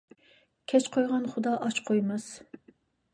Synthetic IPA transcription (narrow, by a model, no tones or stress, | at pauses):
kʲʰɛt͡ʃqʰojʁɑnχʊd̪ɑʔɑt͡ʃqʰojmɨz̥